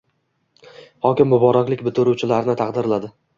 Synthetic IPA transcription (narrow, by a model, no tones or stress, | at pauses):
hɒkʲɪmbʊbɒɾaklɪkʲbɪt̪ʰʊɾuwt͡ʃʰɪlaɾɪnɪt̪ʰɑqd̪ɪɾlad̪ɪ